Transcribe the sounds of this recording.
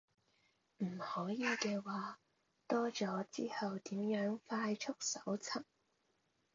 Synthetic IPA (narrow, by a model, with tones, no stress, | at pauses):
m̩˨˩hɔː˨˥jiː˨˧kɛː˧waː˨˧ | t̪ɔː˥t͡sɔː˨˥t͡siː˥hɐ˨wt̪iː˨˥mjœː˨˥ŋfaː˧jt͡ʃʰʊ˥k̚sɐ˨˥wt͡sʰɐ˨˩ŋ